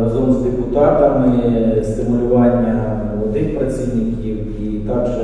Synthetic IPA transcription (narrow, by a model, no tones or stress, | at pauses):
ɾɐzɔmzd̪epʊt̪ɑt̪ɐmɪst̪ɪmʊlʲʊʋɑnʲːɐ | mɔlˠɔd̪nɪxpɾɐt͡sʲiʋnʲɪkʲiw | it̪ɑkʒɛ